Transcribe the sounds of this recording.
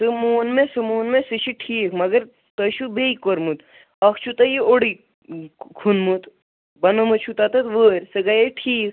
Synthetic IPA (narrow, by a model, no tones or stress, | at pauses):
sɨmoːnmẽsɨmoːnmẽsɨʃiʈʰiːkʰmɐɡɐɾ | t̪ɐʃubeikoɾmɨt̪ | ɐkʰt͡ʃʰut̪ɐjioɽi | kʰunmut̪ | bɐnɐmɨt͡ʃʰut̪ɐt̪ɐt̪ʋəːɾʲsɨɡɐjeʈʰiːk̚ʰ